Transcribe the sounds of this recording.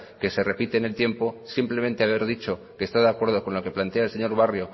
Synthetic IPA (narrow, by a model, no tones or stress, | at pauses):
ke̞se̞re̞pit̪e̞ːne̞lt̪je̞mpo̞simple̞ment̪eaβ̞e̞ɾðit͡ʃo̞ | ke̞ːst̪aðakwe̞ɾð̞o̞ko̞nlo̞ke̞plant̪eaelse̞ɲo̞ɾβ̞arjo